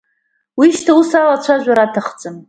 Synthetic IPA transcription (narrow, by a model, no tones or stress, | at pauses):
wiʃtʰausalat͡ɕʷʰaʒᶣʷaɾatʰaχt͡sʼɨm